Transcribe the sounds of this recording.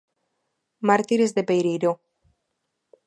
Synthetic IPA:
maɾt̪iɾezðepejɾejɾo

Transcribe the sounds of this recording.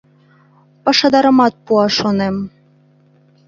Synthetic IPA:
pɑʃɑd̪ɑɾɤ̆mɑt̪̚puɑʃonem

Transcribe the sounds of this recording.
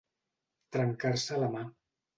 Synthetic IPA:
t̪ɾəŋkarsələma

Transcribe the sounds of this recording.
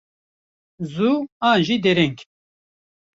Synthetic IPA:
zuaːnʒiːd̪ɛɾɛŋk

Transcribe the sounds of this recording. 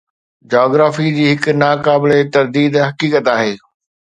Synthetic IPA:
d͡ʑaːɡɾaːfid͡ʑiːɦɪkʊ̆naːkaːbɪlet̪ɐɾd̪iːd̪ɦɐkiːkət̪aːɦeː

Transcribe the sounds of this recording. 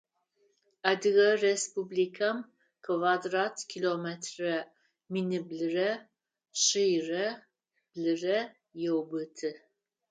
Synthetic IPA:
adɨɣɐrespublikʰam | kʰvadratʰkʰilometʰrɐ | minɨblɨrɐ | ʃɨjrɐ | b̥lɨrɐ | jɛwbɨtʰɨ

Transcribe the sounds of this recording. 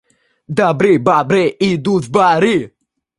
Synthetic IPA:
d̪abɾibabɾeid̪ut̪baɾi

